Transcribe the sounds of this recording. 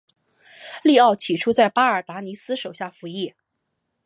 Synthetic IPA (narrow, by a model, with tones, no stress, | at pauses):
li˥˧ɑ˥˩ʊt͡ɕʰi˨˩ʈ͡ʂʰu˥t͡sa˥˩ɪpa˥ə˞˨˩t̪a˧˥ni˧˥sɹ̩˥ʂo˨˩ʊɕja˥˩fu˧˥i˥˩